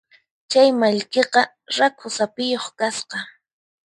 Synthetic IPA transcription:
t͡ʃajmaʎkeqɑ | ɾakʰʊsapɪjoχkasqɑ

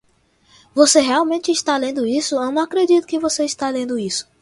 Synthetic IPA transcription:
voseɦeawmẽnt͡ʃɪːʃt̪alẽnd̪ʊisʊewnɐ̃w̃akɾed͡ʒit̪ʊ̥kɪvoseiʃt̪alẽnd̪ʊisʊ̥

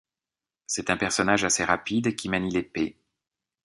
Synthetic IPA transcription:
sɛt̪ɛ̃pɛʁsɔnaʒaseʁapid̪kʲimanilepe

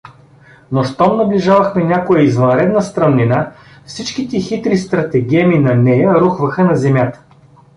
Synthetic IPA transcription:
noʃt̪ɔmnɐbliʒavɐxmɛnʲakojɛizvɐnɾɛd̪nəst̪ɾɐnnina | fsit͡ʃkit̪ɛxit̪ɾist̪ɾɐt̪ɛɡɛminɐnɛjəɾuxvɐxənɐzɛmjat̪ə̥

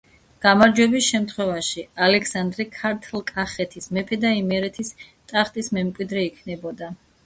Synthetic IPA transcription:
ɡ̥amaɾd͡ʒwɛbisʃɛmt̪ʰχwɛvaʃialɛkʰsand̪ɾɛkʰaɾt̪ʰlˠkʼaχɛt̪ʰismɛpʰɛd̪aimɛɾɛt̪ʰis | t̪ʼaχt̪ʼismɛmkʼwid̪ɾɛikʰnɛbɔd̪a

